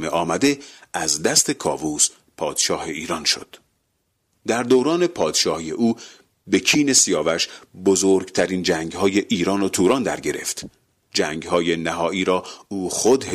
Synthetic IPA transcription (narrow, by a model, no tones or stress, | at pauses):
meʔɒːmæd̪e̞ʔæzd̪æst̪ʰe̞kʰɒːvuːs | pʰɒːd̪̥ʃɒːhe̞iːɾɒːnʃo̰d̪̥ | d̪æɾd̪owɾɒːne̞pʰɒːd̪ʃɒːhijḛʔuː | be̞cʰiːne̞sijɒːvæʃbozoːɾɡt̪ʰæɾiːnd͡ʒæːŋɡhɒːje̞ʔiːɾɒːnot̪ʰuːɾɒːnd̪æ̰ɾɟe̞ɾe̞̰ft̪ | d͡ʒæːŋɡhɒːje̞næɦɒːʔiːɾɒːuːχod̪he